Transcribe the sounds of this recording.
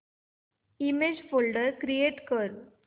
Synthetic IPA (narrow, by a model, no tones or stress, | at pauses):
imeːd͡ʒfoɭɖəɾkɾijeːʈkəːɾ